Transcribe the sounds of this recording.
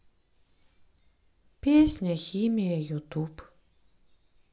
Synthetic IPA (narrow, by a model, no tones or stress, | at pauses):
pʲeːsʲnʲɐxʲimʲijɐjut̪up